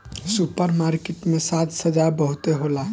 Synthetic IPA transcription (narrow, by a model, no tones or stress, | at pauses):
supəɾmaːɾkeʈmẽsaːt̪səd͡ʒabəɦʊt̪eɦoːla